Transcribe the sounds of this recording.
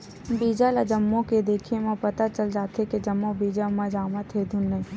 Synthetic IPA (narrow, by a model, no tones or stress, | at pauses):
biːd͡ʒalad͡ʒɐmːõked̪eːkʰemãpɐt̪at͡ʃɐld͡ʒaːt̪eked͡ʒɐmːõbiːd͡ʒamãd͡ʒaːmat̪ʰed̪ʱʊnːəĩ